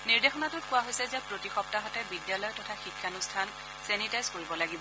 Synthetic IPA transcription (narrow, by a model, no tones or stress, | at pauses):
niɹdexɔnatʊt̚kʊwaɦojsɛzɛpɹotixɔp̚taɦɔtɛbidijalɔjtɔtʰaxikʰːanustʰan | sɛnitajzkoɹibɔlaɡibɔ